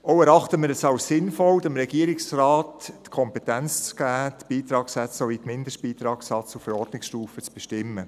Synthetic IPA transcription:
ɔʊæɾɑχtəmɪɾɛsɑwssɪnfɔldɪmɾɛɡiːɾɪksrɑːtːkʰɔmpɛtænt͡st͡sɡ̥æːt̪b̥iːt̪ɾɑːksɛt͡ssoʋitmɪndəʃt̚b̥iːt̪ɾɑːksɑt͡sufɛɾɔrdnɪksʃtuːfət͡sb̥eʃtɪmːə

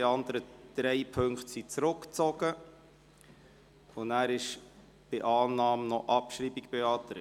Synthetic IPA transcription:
eɑnd̪əɾəd̥ɾɛɪpʰɵŋkχtsit͡sɾʊkt͡sɔɡ̥ə | ʊnæːɾɪʃ | b̥ɪʔɑːnːɑːmnɔʔɑpʃɾiːbikpeɑːt̪əɾ

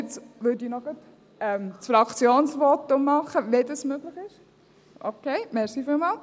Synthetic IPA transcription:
t͡sʋʏdinɔɡ̥ət | ɛmsfɾɑkt͡sjoːnsʋɔtʊmːɑχəvedɑsmøːɡ̥lɪχɪʃ | ʔokʰeɪmɛɾsiːfilmɑːl

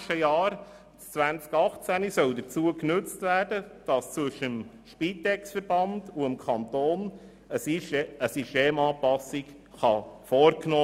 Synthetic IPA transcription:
ʃtəjɑːɾ | st͡svænt͡skɑχt͡sænisœldət͡suəknɵt͡stvæːrdəd̥ɑst͡sʋʏʃəəm | ʃpiːt̪ɛksfəɾb̥ɑnduəmkʰɑnt̪oːn | əəsiʃteːmɑːpɑsik | χɑfɔːɾknoː

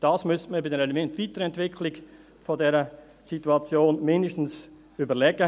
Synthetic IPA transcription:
d̥ɑːsmystməbɪdɛɾɛmɛntvitəɾəɛntvɪkʰlɪɡ | fɔdɛɾə | situɑt͡sjoːnmɪndəʃtn̩s | ybəɾlɛɡə

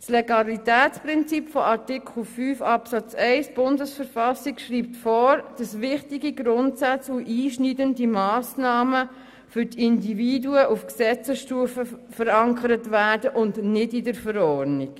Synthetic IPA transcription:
sleɡɑlitæːt͡spɾɪnt͡sipfɔɑɾtɪkʰl̩fyːfɑpsɑt͡sɛɪsb̥ʊndəsfəɾfɑsikʃriːp̚tfɔːɾd̥ɑsʋɪχtiɡiɡɾʊntsat͡suʔiːʃnidəndimɑːsnɑːmə | fʏɾtɪndividuəʔufksɛt͡səsʃtuːfəfəɾɑŋkʰəɾətʋæːɾd̥əʔʊndnɪdidəɾfəɾɔːɾnik

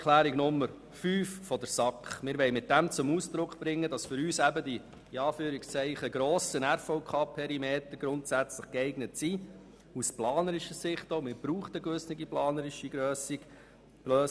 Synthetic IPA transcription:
kʰlæːɾiɡnʊmːəɾ | fyːffɔdəɾsɑkχmɪːɾʋɛɪmɪt̚d̥æmt͡sʊmuːsd̪ɾʊkχb̥ɾɪŋːədɑsfʏɾyːsæbəd̥i | iɑːfyːɾikst͡sɛɪχəɡɾɔːsənæɾfɔʊkʰɑːpʰɛɾimeːt̪əɾɡ̥ɾʊntsæt͡sləχkɛɪɡnətsi | usplɑːnəɾɪʃəsɪχtoʊmɪːɾb̥ɾuːχtəɡøsnɪɡiplɑːnəɾɪʃiɡɾøːsiɡ̥ | ɡ̥løː

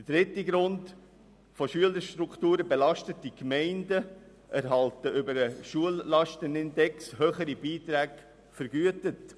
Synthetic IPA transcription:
d̥əd̥ɾɪtiɡɾʊnt | foʃyələɾʃtɾukʰtuːɾəbɛlɑʃtətikmɛɪndə | ʔæɾɦɑltəʔʏbəɾəʃuəlːɑʃtənɪndɛkshøːχəɾibiːtɾæːɡ | fəɾɡyətət

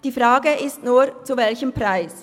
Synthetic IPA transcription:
d̥iːfʁaːɡəʔɪstnuːɐt͡suvɛlçəmpʁ̥aɪs

